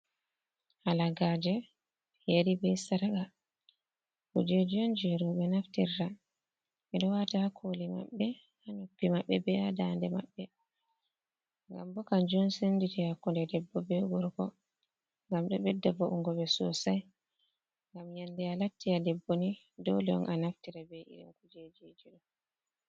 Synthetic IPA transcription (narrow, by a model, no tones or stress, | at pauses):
halaɡad͡ʒɛ | jeɾibɛjsaɾaɡa | kɔd͡ʒɛd͡ʒɔnd͡ʒɛɾɔɓɛnaftiɾːa | ɛɗɔwatahakʰolima̰ɓːɛ | hanupːimaɓːɛbɛadandɛma̰ɓːɛ | ŋɡa̰mbɔkand͡ʒɔnsenditihakːɔndɛdɛbːɔbɛɡɔɾkɔ̰ | ŋɡamɗɔɓɛdːabɔʔuŋɡɔɓɛsɔ̰saj | ŋɡamjandɛalatːiadɛbːoni | dɔ̰lɛɔ̰nʔanaftiɾabɛḭɾḭnkud͡ʒed͡ʒed͡ʒiɗɔ